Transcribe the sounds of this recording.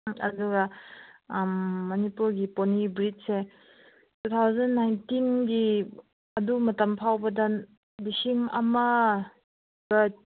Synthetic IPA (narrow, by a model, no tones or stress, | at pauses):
ɐ̰duɡɐ | mːɐnipuɾɡiponibɾit̚se | tut̪ʰawzɐnːajntinɡi | ɐdumɐtɐmpʰawbɐdɐ | bisiŋɐmɐ | bɐ